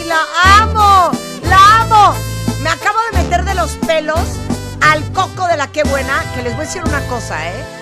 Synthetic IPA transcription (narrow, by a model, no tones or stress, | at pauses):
laʔamo | laamome̞akaβo̞ð̞e̞me̞t̪e̞ɾðe̞lo̞spe̞lo̞s | alko̞ko̞ðe̞lake̞βwe̞nake̞le̞zβojesiɾunako̞sa̰e